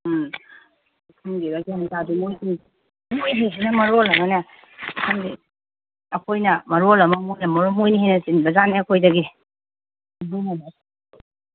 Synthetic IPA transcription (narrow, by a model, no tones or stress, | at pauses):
kʰuŋɡibaɡianitadumoji | mojɦis̬inɐmɐɾolɐmɐnɐ | kʰamdi | ɐkʰojnɐmɐɾolɐmɐmojnɐmɐɾomojnihejnɐsinbɐzaneɐkʰojdɐɡi | bunana